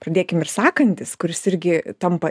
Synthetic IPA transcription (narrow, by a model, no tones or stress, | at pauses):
prɐd̪ʲeːkʲɪmɪrsɑːkɐnʲt̪ʲɪskʊɾʲɪsɪɾʲɡʲɪt̪ɐmpɐ